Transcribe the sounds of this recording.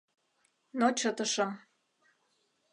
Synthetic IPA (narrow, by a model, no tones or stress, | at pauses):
not͡ɕət̪ə̆ʃɤm